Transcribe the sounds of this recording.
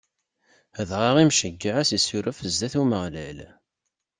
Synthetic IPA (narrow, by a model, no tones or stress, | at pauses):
ðʁəʁimʃəɡːəʕæsisuɾəfəzd̪æθuməʁlæl